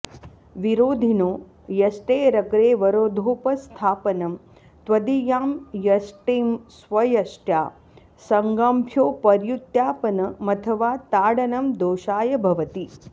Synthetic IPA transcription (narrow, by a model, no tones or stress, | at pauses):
ʋiɾoːd̪ʱinoː | jɐsʈeːɾɐkɾeːʋɐɾoːd̪ʱoːpɐst̪ʰaːpɐnɐm | t̪ʋɐd̪ijaːmjɐsʈeːmsʋɐjɐsʈja̰ː | sɐŋɡampʰjoːpɐɾjut̪jaːpɐnɐmɐt̪ʰɐʋaːt̪aːɽɐnɐmd̪oːʃaːjɐbʱɐʋɐt̪i